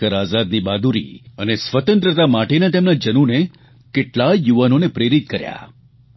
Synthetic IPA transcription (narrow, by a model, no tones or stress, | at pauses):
əɾazad̪nibad̪uɾḭənesʋət̪ənt̪ɾət̪amaʈenat̪emnad͡ʒənune | kɪʈlajuʋanonepɾeɾit̪̚kəɾja̰